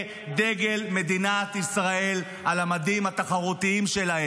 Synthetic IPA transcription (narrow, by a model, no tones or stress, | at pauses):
d̪e̞ɡe̞lme̞d̪inat̪isʁae̞l | alamad̪imhat̪aχaʁut̪iimʃelahe